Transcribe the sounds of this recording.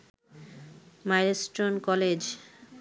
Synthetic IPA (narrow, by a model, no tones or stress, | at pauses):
majɾesʈonkɔled͡ʑ